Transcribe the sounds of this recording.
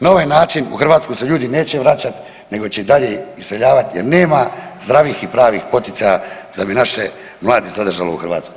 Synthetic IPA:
nao̞ʋajnaːt͡ʃinṵxr̩ʋaːt̪skuseʎuːd̪ine̞ːt͡ɕeʋɾat͡ɕat̪ | ne̞ɡo̞t͡ɕeid̪aʎeisseʎaːʋat̪jeɾne̞ːmazd̪ɾaʋixipɾaːʋixpo̞t̪it̪ajad̪abinaʃe | mlˠaːd̪izad̪r̩ʒalouxr̩ʋa̰t̪sku̥

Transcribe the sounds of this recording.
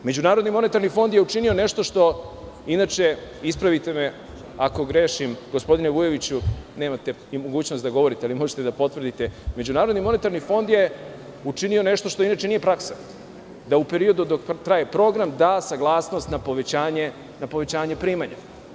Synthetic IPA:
me̞d͡ʑunaːɾod̪nimo̞ne̞t̪aɾnifo̞nd̪jeut͡ʃinio̞ne̞ʃt̪o̞ʃt̪o̞ | inaːt͡ʃe̞ispɾaʋit̪e̞me | ako̞ɡɾe̞ːʃimɡospod̪ineʋuje̞ʋit͡ɕuneːmat̪e̞ | imo̞ɡuːt͡ɕnost̪d̪aɡo̞ʋo̞ɾit̪ealimo̞ʒet̪e̞d̪apo̞t̪ʋr̩d̪it̪e̞me̞d͡ʑunaːɾod̪nimo̞ne̞t̪aɾnifo̞nd̪je̞ | ut͡ʃinio̞ne̞ʃt̪o̞ʃt̪o̞inaːt͡ʃe̞nije̞pɾaksḁ | d̪aupe̞ɾio̞d̪ud̪okt̪ɾajepɾo̞ɡɾamd̪aːsaɡlˠaːsno̞st̪napoʋet͡ɕaːɲe | napo̞ʋe̞t͡ɕaːɲe̞pɾiːmaɲa̰

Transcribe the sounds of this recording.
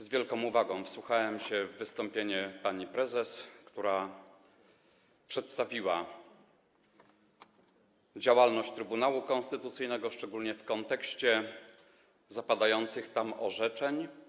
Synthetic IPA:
zvʲjɛlkɔ̃w̃uvaɡɔ̃w̃fswuxawɛmɕɛvːɘst̪ɔmpʲjeɲɛpaɲipɾɛzɛskt̪uɾa | pʂɛt̪st̪avʲiwa | d͡ʑawalnɔɕt͡ɕt̪ɾɘbunawukɔñst̪ɘt̪ut̪sɘjnɛɡɔʂt͡ʂɛɡulɲɛfkɔnt̪ɛkɕt͡ɕɛ | zapad̪ajɔnt̪sɘxt̪amɔ̰ʐɛt͡ʂɛɲ

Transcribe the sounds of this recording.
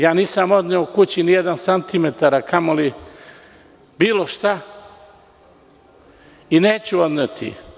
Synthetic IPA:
jaːniːsamo̞d̪neokut͡ɕinijed̪ansant̪imet̪aɾakʰamoli | biːlˠoʃt̪a | ineːt͡ɕuod̪net̪ʰḭ

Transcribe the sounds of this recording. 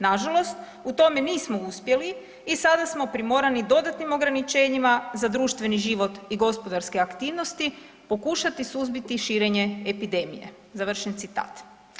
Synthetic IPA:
naʒalo̞st̪ | ut̪o̞me̞niːsmo̞uspje̞liː | sad̪asmo̞pɾimo̞ɾanid̪o̞d̪at̪nimo̞ɡɾanit͡ʃe̞ːɲimazad̪ɾuːʃt̪ʋe̞niʒiʋo̞t̪iɡo̞spo̞d̪aɾskeakt̪iːʋno̞st̪i | po̞kuʃat̪isuzbit̪iʃiːɾe̞ɲe̞epid̪e̞mije̞̰ | zaʋr̩ʃent̪sit̪a̰ːt̪

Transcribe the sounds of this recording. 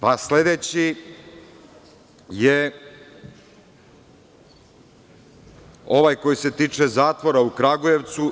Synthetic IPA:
pasle̞d̪et͡ɕi | je | o̞ʋajko̞jise̞t̪iːt͡ʂezaːt̪ʋo̞ɾaukɾaɡuje̞ʋt̪su

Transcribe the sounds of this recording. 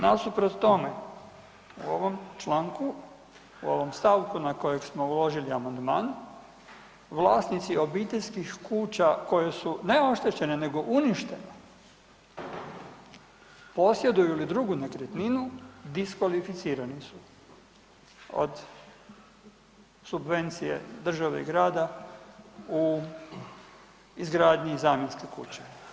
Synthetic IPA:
nasupɾot̪t̪o̞me | uoʋo̞mt͡ʃlaːŋku | uo̞̰ʋo̞mst̪aʋkunako̞je̞ɡsmo̞ulo̞ʒiliamand̪ma̰ːn | ʋlˠaːsnit̪sio̞bit̪eʎʲskixkuːt͡ɕako̞je̞sune̞o̞ʃt̪e̞t͡ɕe̞ne̞ne̞ɡo̞ʔuniʃt̪e̞ne | po̞sje̞d̪ujulid̪ɾuɡunekɾet̪ninud̪iskʋalifit̪siːɾanisu | o̰d̪ | subʋe̞nt̪sije̞̰d̪r̩ʒaʋḛḭɡɾaːd̪a | u | izɡɾaːd̪ɲeizaːmjenskekṵt͡ɕe

